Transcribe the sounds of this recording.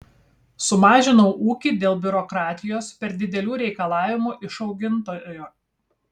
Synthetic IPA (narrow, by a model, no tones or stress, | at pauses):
sʊmɑːʒʲɪnɔʊʔuːkʲid̪ʲeːlˠbʲʊɾɔkɾɑːt̪ʲɪjoːspʲɛɾd̪ʲɪd̪ʲɛlʲuːɾʲɛɪkɐlˠɑːʋʲɪmuːʔɪʃɒʊɡʲɪnt̪oːjːjuː